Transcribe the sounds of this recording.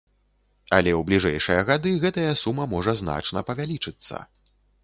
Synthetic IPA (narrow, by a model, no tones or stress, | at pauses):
ɐlʲɛwblʲiʐɛ̰jʂɨjɐɣad̪ɨɣɛt̪ɐjɐsumːɐmɔʐɐzna̰t͡ʂnɐpɐvʲalʲit͡ʂɨt̪sːɐ̰